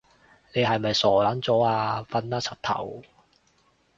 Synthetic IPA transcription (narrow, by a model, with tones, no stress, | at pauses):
ne˨˧jɦɐ˨jmɐ˨jsɔː˨˩laː˨˥nt͡sɔː˨˥aː˧fɐ˨˧naː˥t͡sʰɐ˨t̪ʰɐ̰˨˩w